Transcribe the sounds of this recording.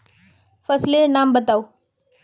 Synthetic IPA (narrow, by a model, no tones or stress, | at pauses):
fəsleɾnambət̪au